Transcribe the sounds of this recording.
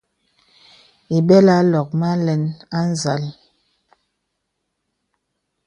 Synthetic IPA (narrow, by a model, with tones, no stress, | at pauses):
i˨bɛ˦la˦lɔ˨k̚ma˦lɛ˨˦na˦n˦za˨l